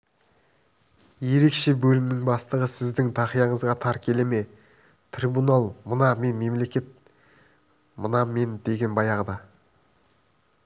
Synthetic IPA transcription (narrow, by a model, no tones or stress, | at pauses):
je̞ɾe̞kʃe̞bɵlɪmnɪŋbɑst̪əʁəsɪzd̪ɪŋt̪ʰɑχijɑɴəzʁɑt̪ʰɑɾkʲʰe̞le̞me̞ | t̪ʰribunɑlˠmənɑme̞nme̞mle̞kʲe̞t̪̚ | mənɑme̞nd̪e̞ɡʲe̞nbɑjɑʁəd̪ɑ